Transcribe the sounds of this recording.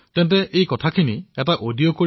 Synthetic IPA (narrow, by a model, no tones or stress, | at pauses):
tɛnt̬ɛʔejkɔtʰakʰiniɛtaʔodijɔkoɹ